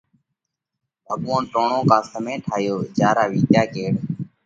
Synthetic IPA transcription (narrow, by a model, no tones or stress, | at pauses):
əɠʋõːnʈoːɳõːkãːsəmẽːʈʰaːjoːd͡ʒaːɾaːʋiːt̪jaːkeːɽ